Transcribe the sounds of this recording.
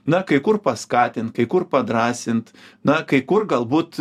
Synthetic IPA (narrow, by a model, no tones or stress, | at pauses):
nɐkɐɪkʊrpɐskɑːt̪ʲɪnt̪kɐɪkʊrpɐd̪ɾɑːsʲɪnt̪nɐkɐɪkʊrɡɐlˠbuːt̪